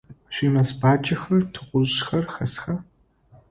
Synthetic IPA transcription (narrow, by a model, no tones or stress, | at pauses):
ɕʷiːmɐsbaːd͡ʒɐxɐrtʰɨqʷʊʑxɐrxɐsxa